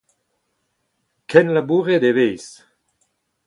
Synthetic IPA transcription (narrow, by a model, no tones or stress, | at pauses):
kɛnlabuʁed̪evejs